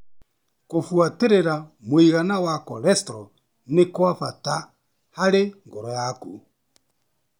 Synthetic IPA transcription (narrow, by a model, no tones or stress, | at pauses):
kofwateɾeɾamoiɣanawakɔlɛstɾɔ | nekwafata | haɾeŋɡɔɾɔjaku